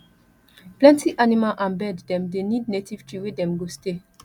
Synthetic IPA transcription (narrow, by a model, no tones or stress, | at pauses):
plɛ̃ntiʔanimalʔãnbɛddɛ̃mdenidnetiv̥tɹiwedɛ̃mɡoste